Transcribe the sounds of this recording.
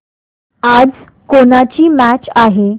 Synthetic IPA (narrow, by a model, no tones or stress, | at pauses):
ad͡z | konat͡ɕiːmæt͡ɕaɦe